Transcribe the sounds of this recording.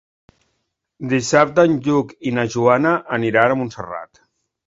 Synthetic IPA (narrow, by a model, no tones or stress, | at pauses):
d̪isap̚t̪ənʎukinaʒuanəʔːniɾanəmunsəra̰t̪